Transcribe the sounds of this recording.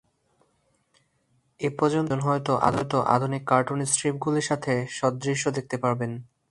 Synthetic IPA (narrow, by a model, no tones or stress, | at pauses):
epɔɾd͡ʑont̪onɦɔet̪oʔa̰d̪ot̪oʔa̰d̪ʱunikːaɾʈunisʈɾip̚ɡuliɾʃat̪ʰeʃɔd̪ɾiʃːod̪ek̚t̪epaɾben